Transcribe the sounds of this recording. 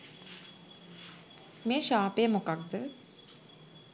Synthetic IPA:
meːʃaːpejəmokak̚d̪ə

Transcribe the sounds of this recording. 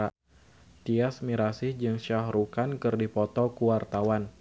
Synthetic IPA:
t̪iasmiɾasɪhd͡ʒɨŋʃahɾukankɨrdipɔt̪ɔkuwart̪awan

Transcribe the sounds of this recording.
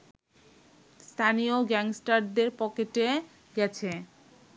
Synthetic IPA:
st̪ʰanioɡɛŋsʈaɾd̪eɾpɔkeʈe | ɡɛt͡ɕʰe

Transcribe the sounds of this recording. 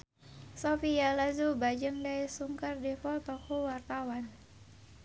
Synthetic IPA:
sofialazubad͡ʒəŋdaisuŋkərdɛfɔlt̪ɔkɔwart̪awan

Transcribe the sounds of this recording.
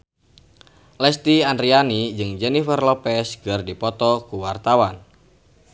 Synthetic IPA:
lɛst̪iandɾianid͡ʒɨŋd͡ʒɛnifərlɔpɛsɡərdipɔt̪ɔkuwart̪awan

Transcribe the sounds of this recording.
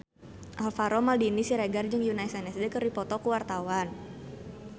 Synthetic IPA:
ʔalfaɾɔmaldinisiɾeɡard͡ʒɨŋjunajsɛnɛsdɛkəripɔt̪ɔkuwart̪awan

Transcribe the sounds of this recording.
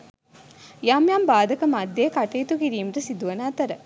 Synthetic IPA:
jaːmjaːmbaːd̪ɐkɐmɐd̪jeːkɐʈeːt̪ukiɾiːmɾɐsid̪uʋɐnaːt̪ɐɾɐ

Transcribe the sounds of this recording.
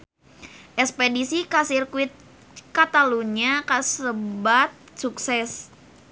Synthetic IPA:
ʔɛspedisikasirkwit̪̚ | kat̪aluɲakasəbat̪̚suksɛs

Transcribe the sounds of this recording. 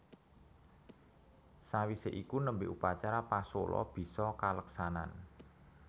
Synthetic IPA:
sawiseʔikunəmbɪʔupat͡ʃaɾapasolɔ̰b̥i̤sɔkaləksana̰n

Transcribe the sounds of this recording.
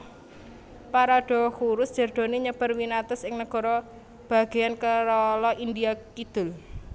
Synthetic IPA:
paɾaɖ̥ɔ̤kuɾʊsd̥d͡ʒ̥ərd̪̥ɔ̤niɲəb̥a̤rwinat̪ɔsɪŋnəɡ̥ɔ̤ɾɔ | b̥a̤ɡ̥e̤jankəɾɔlɔʔindiakid̪̥ʊ̤l

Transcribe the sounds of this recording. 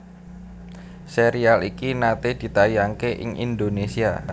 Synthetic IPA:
seɾialikinat̪ed̪̥i̤t̪ajaŋkeʔɪ̰ŋḭnd̪onesia

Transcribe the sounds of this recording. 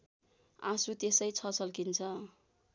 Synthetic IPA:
ã̰sut̪esʌjt͡sʰʌt͡sʌlkint͡sʰʌ

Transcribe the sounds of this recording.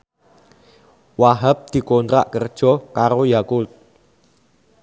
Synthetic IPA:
waɦəp̚d̪̥i̤kont̪ɾa̰ʔkərd̥ʒ̥ɔ̤kaɾojakut̪̚

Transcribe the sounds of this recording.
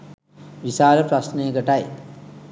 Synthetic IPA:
ʋisaːləpɾasneːɡəʈaj

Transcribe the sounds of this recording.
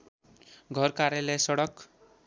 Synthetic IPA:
ɡʱʌrkaɾjʌlʌjsʌɽʌk

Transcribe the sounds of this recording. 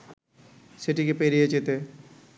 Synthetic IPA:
sɪʈikepeɾiet͡ʃet̪e

